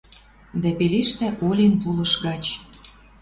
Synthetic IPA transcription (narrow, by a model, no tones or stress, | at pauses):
d̪æpeliʃt̪æ̆ʔolʲenpulɤ̆ʃɣɑt͡ɕ